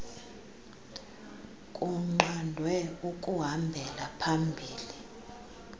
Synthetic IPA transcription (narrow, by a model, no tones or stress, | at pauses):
kʼuŋ͡ǃandʱwɛukʼuɦambʱɛlapʰambʱiːli